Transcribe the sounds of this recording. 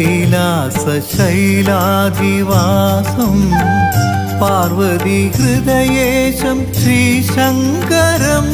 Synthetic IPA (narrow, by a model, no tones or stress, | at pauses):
laːsɐʃɐjlaːd̪iʋaːsɐm | paːɾʋɐd̪iɡɾɪd̪ɐjeːʂɐmʃɾiːʂɐŋkɐɾɐm